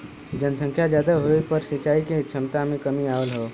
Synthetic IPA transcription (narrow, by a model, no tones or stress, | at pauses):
d͡ʒənsə̃ŋkʰjad͡ʒjaːd̪aɦoepəɾsɪt͡ʃaːiket͡ʃʰəmt̪amẽkəmiaʋəlɦɔː